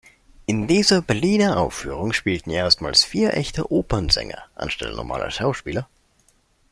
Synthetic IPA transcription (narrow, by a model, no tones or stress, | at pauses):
ʔɪndiːzɐbɛɐliːnɐʔaʊfːyːʁ̞ʊŋʃpiːltn̩ʔeːɐstmaːlsfiːɐʔɛçtʰə̰ʔoːpɐnzɛ̰ŋɐ̰ʔa̰nʃtɛ̰lə̰nɔ̰ma̰ːlʔɐ̰ʃaʊʃpiːlɐ